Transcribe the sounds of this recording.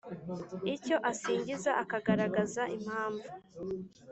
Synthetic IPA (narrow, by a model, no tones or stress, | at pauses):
ico̞ʔasiːɲɟizaʔakaɡaɾaɡazaʔim̥haːɱvu